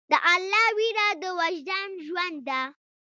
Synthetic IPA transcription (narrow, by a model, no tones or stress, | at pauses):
d̪əʔalːɑwiɾad̪əwaʒd̪anʒwand̪ːa